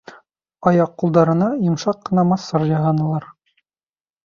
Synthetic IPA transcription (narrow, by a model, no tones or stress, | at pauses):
ɑjɑqːulˠd̪ɑɾɤ̆nɑjŏmʃɑqːɤ̆nɑmɑsːɑɾjɑɦɑnɤ̆lˠɑɾ